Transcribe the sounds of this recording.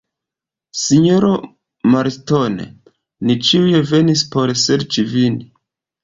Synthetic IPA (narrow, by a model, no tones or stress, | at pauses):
siɲoɾo | maɾto̞nḛ | nit͡ʃiujeve̞nispo̞ɾse̞ɾt͡ʃivini